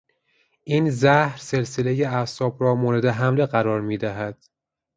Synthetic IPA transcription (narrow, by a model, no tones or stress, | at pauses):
ʔiːnzæhɾse̞lsele̞je̞æsɒːbɾɒːmoːɾe̞d̪e̞ɦæmle̞ɣæɾɒːɾmiːd̪æɦæd̪̥